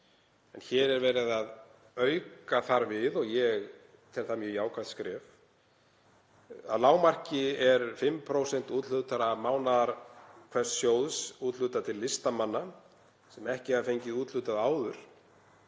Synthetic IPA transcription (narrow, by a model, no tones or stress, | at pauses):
ɛnçɛːɾɛɾvɛːɾɪðað | œːɥkaθaɾvɪðɔɣjɛɣ | t̪ʰɪlθamjœːjaːwkʰat̪skɾɛːv | a̰ðlaːwmar̥cɪɛɾfɪmːpʰɾoːwsɛn̥t̪uːt̪lʏt̪aɾamaːwnaðaɾ̥kʰv̥ɛssjoːwðsuːt̪lʏːt̪at̪ʰɪlːɪst̪amanːa | sɛmɛhcɪafejɲcɪuːt̪lʏt̪aðaːwðʏɾ̥